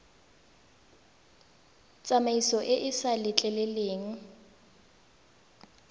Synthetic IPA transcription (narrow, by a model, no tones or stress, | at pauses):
t͡sʼamaisɔʔɪʔɪsalɪt͡ɬʼɛlɛleːŋ̩